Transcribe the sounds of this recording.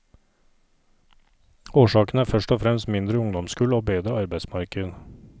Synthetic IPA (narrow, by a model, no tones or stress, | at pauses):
oːʃɑːkn̩æːfœʃʈɔfɾɛmst̪mɪnd̪ɾəʊŋd̪ɔmskʉːloːbeːd̪ɾəɑɾbæɪsmɑɾkən